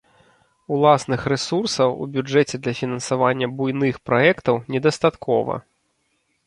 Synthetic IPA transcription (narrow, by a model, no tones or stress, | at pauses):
ulˠasnɨxɾɛsursɐwṵbʲud͡ʐɛt͡sʲɛd̪lʲɐfʲinɐnsavanʲːɐbujnɨxpɾɔɛkt̪ɐwnʲɛd̪ɐst̪at̪kɔvɐ̰